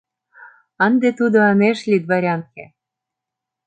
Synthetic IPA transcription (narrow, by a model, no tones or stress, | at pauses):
ənd̪et̪ud̪oɑmeʃlʲid̪̚βɑɾʲɑnke